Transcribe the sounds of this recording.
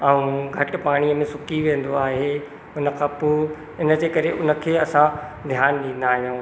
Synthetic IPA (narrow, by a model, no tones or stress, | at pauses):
ɐũɡʱɐʈ̆paːɽ̃iəmẽsʊkiʋẽːn̆d̪oaːɦe | ʊnə̆kʰãːpo | ɪnə̆d͡ʑeːkɐɾeʔʊnə̆kʰeːɐsãd̪ʱjaːnɗĩːn̆d̪aːɦijũː